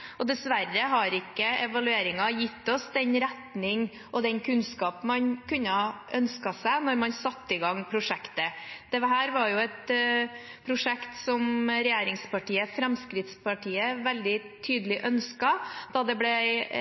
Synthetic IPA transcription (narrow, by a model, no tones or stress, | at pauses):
ɔd̪ɛsʋæɾːəɦɑɾɪkːəɛʋɑlʉeːɾɪŋɑjɪt̪ːɔsd̪ɛnɾæt̪nɪŋ | ʔɔd̪ɛnkʰʉnskɑːpmɑnkʰʉnːəɑʔœnskɑsæɪnɔɾmɑnsɑt̪ːəɪɡɑŋːpʰɾʊʂɛkt̪əd̪̥ɛɦæːɾʋɑɾjʊɛt̪̚ | pʰɾʊʂɛkt̪sɔmɾɛjeːɾɪŋspɑʈiːəfɾɑmskɾɪt̪spʰɑʈʰiːəʋɛld̪ɪ | t̪ʰyːd̪əlɪʔœnskɑd̪̥ɑd̪ɛblɛ